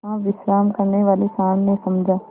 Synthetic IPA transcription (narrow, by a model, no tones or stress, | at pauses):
ãʋɪsɾaːmkəɾneʋaːlisaːmnẽsɐmd͡ʒʱãː